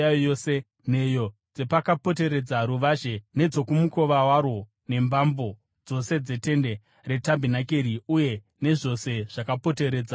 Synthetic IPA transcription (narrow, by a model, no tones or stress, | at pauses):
ajojose̞ | ne̞jo̞d͡ze̞pakapo̞t̬e̞ɾe̞d͡zaɾuʋaʒene̞d͡zo̞kumuko̞ʋawaɾwo̞ | ne̞mbambo̞ | d͡zo̞se̞d͡ze̞te̞nde̞ | re̞tambʱinakeɾiuje̞ | ne̞ʐo̞se̞ʐ̥akapo̞te̞ɾe̞ːd͡za